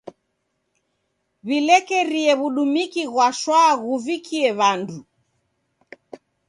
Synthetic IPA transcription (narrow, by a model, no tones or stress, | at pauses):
βilɛkɛɾiɛβuɗumikiɣwaʃwaɣuvikʰiɛβandu